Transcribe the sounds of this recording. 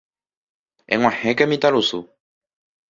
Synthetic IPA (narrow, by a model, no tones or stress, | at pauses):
ɛ̰ŋw̃ãhɛ̃kɛmĩt̪alosu